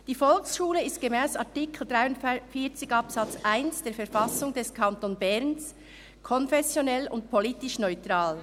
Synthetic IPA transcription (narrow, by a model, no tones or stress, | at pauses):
d̥iːfɔlksʃuːləɪst̚ɡ̥emɛːsaɐtɪkʰl̩d̥ʁaɪʊndfiːɐt͡sɪɡɑpsɑt͡sʔaɪnsd̥eːɐfɛɐɾfɑsʊŋd̥ɛskʰɑntonbɛʁns | kʰɔnfɛsjonɛlʊ̰ntpʰoliːtɪʃnɔʏtʁ̥aːl